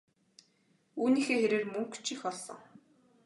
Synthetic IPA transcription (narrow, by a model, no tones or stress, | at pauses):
uːniːxeːxeɾeːrmɵŋkt͡ɕixɔɮsɞ̰̆ŋ